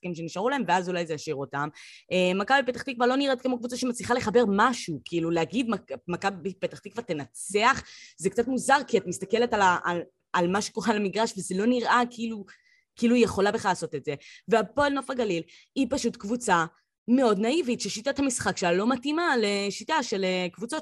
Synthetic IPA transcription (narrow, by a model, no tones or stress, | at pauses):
sχḁkimʃeniʃaʁulahe̞mveazulajzejaʃiʁo̞tamemakabipet̪aχt̪ikvaʁlo̞niʁet̚kemokvut͡saʃemat͡sliχale̞χabe̞ʁmaʃukiːluleaɡidmamakabbipet̪aχt̪ikvat̪e̞nat͡seaχzekt͡satmuzaʁkiatmist̪ake̞letalal | almaʃe̥koʁalamiɡʁaʃvezelo̞niʁʔakiilu | kiiːlujeχo̞labeχalaːso̞tetze̞veapo̞elno̞faɡalil | ipaʃutkvut͡sa | meo̞dnaivitʃeʃitathamisχakʃealo̞matimale̞ʃitaʃelekvut͡so̞t